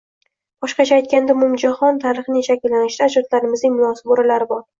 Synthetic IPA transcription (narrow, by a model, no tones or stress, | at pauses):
b̥ɒʃqɑt͡ʃʰaːjt̪̚kʲand̪aʊmʊmd͡ʒahɒnt̪ʰaɾɪχnɪŋʃakʲɪlːanɪʃd̪aːd͡ʒɒt̪laɾɪmɪznɪŋmʊnɒsɪ̥boɾalaɾɪbɒɾ